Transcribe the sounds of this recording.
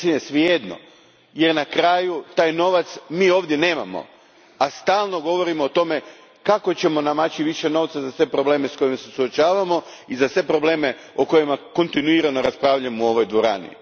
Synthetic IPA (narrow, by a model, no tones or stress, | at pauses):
simesʋjed̪no̰ | je̞ɾnakɾaːjut̪aːjno̞ʋat̪smiːo̞ːʋd̪je̞ne̞ːmamo̰ | ast̪aːlˠnoɡo̞ʋo̞ɾimoːt̪o̞me̞ | kako̞t͡ɕe̞mo̞namat͡ɕiʋiʃe̞no̞ʋt̪sazasʋe̞pɾo̞ble̞ːme̞sko̞jimase̞suot͡ʃaːʋamo̞izasʋe̞pɾo̞ble̞ːme̞ | oko̞jimako̞nt̪inuiɾanoɾaspɾaːʋʎamouo̞ʋo̞jd̪ʋo̞ɾa̰ːnḭ